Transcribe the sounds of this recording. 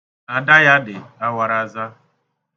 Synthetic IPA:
a˨da˦ja˦dɪ˨a˦wa˨ɾa˨za˦

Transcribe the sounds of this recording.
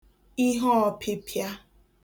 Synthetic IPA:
i˦ɦɔ˦ɔ˨pʰi˦pʰja˦

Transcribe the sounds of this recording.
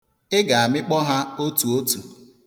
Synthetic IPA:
ɪ˦ɡa˨a˨mɪ˦k͡pɔ˦ɦa˦o˦tu˨o˦tu˨

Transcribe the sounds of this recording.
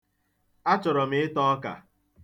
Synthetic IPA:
a˦t͡ʃɔ˨ɾɔ˨mɪ˦ɪ˦tɔ˦ɔ˦ka̰˨

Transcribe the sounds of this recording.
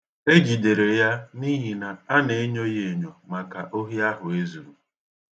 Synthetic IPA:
e˦d͡ʒi˨de˨ɾe˨ja˦ni˦ɦi˨na˨a˦ne˨˦ɲo˦je˨e˨ɲo˨ma˨ka˨ʔo˦ɦi˦a˦ɦʊ˨e˦zu˨ɾu˨

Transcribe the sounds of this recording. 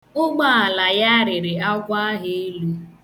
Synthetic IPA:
ʊ˦ɡ͡ba˦˨a˨la˨ja˦ɾɪ˨ɾɪ˨a˦ɡʷa˦ɦe˦e˦lu˦

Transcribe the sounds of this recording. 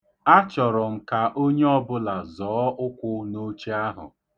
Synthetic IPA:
a˦t͡ʃɔ˨ɾɔ˨ŋ̩˨ka˨ʔo˦ɲe˦ɔ˦bʊ˦la˨zɔː˨˦ʔʊ˦kʷʊ˦no˦t͡ʃi˦a˦ɦʊ̰˨

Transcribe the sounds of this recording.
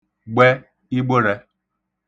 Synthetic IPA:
ɡ͡be˦ | i˦ɡ͡bo˦ɾe˦

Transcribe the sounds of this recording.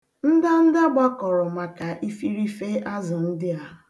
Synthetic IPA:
n̩˦da˦n̩˦da˦ɡ͡ba˦kɔ˨ɾɔ˨ma˨ka˨ʔi˦fi˦ɾi˦fe˦ʔa˦zɪ˨n̩˦dɪ˦a˨

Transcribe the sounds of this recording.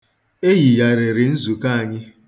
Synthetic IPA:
e˦ji˨ja˨ɾe˨ɾɪ˨n̩˦zu˨ka˦a˨ɲɪ˦

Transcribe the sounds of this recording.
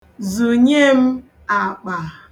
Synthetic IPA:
zu˨ɲe˦m̩˦ | a˨k͡pa˨

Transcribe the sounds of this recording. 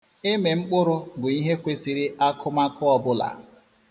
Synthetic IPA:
e˦me˨ŋ͡m̩˦k͡pʊ˦ɾʊ˦ɡʊ˨i˦ɦe˦kʷe˦si˨ɾɪ˦ʔa˦kʰʊ˦ma˦kʰʊ˦ɔ˦bʊ˦la̰˨

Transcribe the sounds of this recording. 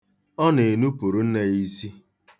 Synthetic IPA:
ɔ˦ne˨nu˦pu˨ɾu˨n̩˦ne˦i˦si˦

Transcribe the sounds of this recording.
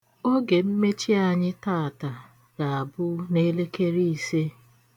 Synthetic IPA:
o˦ɡe˨m̩˦me˦t͡ʃi˦a˨ɲɪ˦taː˦˨a˨ta˨ | ɡa˨a˨bʊ˦ne˦le˦ke˦ɾi˦i˨se˦

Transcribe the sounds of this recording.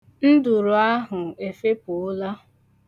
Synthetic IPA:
n̩˦du˨ɾʊ˨a˦ɦʊ˨e˨fe˦pʊ˨ʊ˦la˦

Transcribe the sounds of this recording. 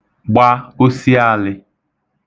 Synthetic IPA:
ɡ͡ba˦o˦si˦a˦˨lɪ˦

